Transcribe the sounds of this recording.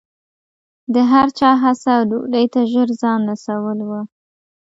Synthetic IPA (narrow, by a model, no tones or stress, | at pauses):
d̪əɦaɾt͡ʃɑɦasawduɖəjt̪aʒəɾzɑnɾasawəlwə